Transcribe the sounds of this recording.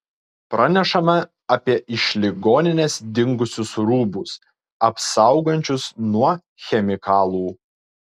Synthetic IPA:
pɾɑnʲɛʃɐmɐ | ɐpʲiɛʔɪʃʲlʲɪɡoːnʲɪnʲesd̪ʲɪŋɡʊsʲʊsɾuːbʊs | ɐpsɑˑʊɡɐnʲt͡ʃʲʊsnuɔ | xʲɛmʲɪkɑːlˠuː

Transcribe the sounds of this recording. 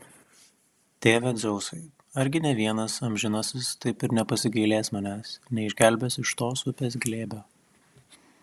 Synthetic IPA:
t̪ʲeːʋʲɛd̪zʲɛʊsɐɪ | ɐɾʲɡʲɪnʲɛʋʲiɛnɐsɐmʲʒʲɪnɐsʲɪst̪ɐɪpɪɾnʲɛpɐsʲɪɡɐɪlʲeːsmɐnʲæːsnʲɛɪʒʲɡʲælʲbʲɛsɪʃt̪oːsʊpʲeːs̬ɡlʲeːbʲɛ

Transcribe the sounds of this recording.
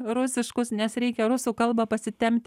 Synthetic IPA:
ɾʊsʲɪʃkʊsnʲɛsɾʲɛɪkʲɛɾʊsuːkɐlˠbɐpɐsʲɪt̪ʲɛmʲt̪ʲ

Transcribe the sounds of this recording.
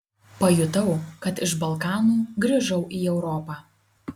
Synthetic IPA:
pɐjʊt̪ɐʊkɐt̪ɪʃbɐlˠkɑːnuːɡɾʲɪʒɐʊʔiːɛʊɾɔpɑː

